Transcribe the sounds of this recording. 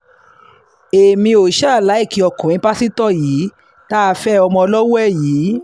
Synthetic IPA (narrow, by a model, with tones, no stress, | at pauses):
e˨mĩ˧o˨ʃa˦˨la˨˦i˦˨ki˧ɔ˧˨kɔ̃˨ĩ˨˦pa˦si˦tɔ˦˨jiː˨˦ | ta˦a˧fɛ˦ɔ˧mɔ̃˧ɔ˧lɔ˦wɛ˦˨jiː˨˦